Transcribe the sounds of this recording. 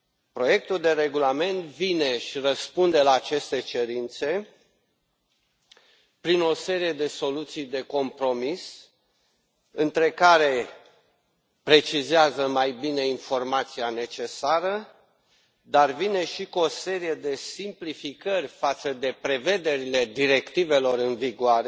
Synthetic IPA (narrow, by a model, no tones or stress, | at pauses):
pɾo̞je̞k̚t̪uld̪e̞ɾe̞ɡulame̞nt̪vine̞ʃirəspund̪e̞laːt͡ʃe̞st̪e̞t͡ʃe̞ɾint̪se̞ | pɾino̞se̞ɾije̞d̪e̞so̞lut̪sijd̪e̞ko̞mpɾo̞mis | ɨnt̪ɾe̞kaɾe̞ | pɾe̞t͡ʃizeazəmajbine̞info̞rmat̪siane̞t͡ʃe̞saɾə | d̪arvine̞ʃikuo̞se̞ɾije̞d̪e̞simplifikərʲfat̪səd̪e̞pɾe̞ve̞d̪e̞ɾile̞d̪iɾe̞kt̪ive̞lo̞ɾɨnviɡoaɾe